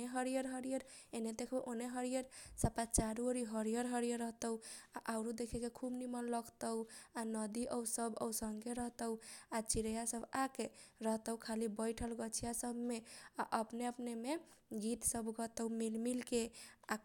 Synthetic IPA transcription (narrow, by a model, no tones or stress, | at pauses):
eɦəɾijəɾɦəɾijəɾ | ened̪ekʰʔoneɦəɾijəɾsapat͡ʃaɾuəɾiɦəɾijəɾɦəɾijəɾəɦt̪əuaʔaʊɾud̪ekʰekekʰubnimənləɡt̪əwanəd̪iʔəwsəbə̰wsəŋɡeɾəɦt̪əʊat͡ʃiɾəjasəbakeɾəɦt̪əwkʰalibəjʈʰəlɡət͡ʃʰijasəbʱmeaʔəpneəpnemeɡit̪səbʱɡət̪əwmilmilkea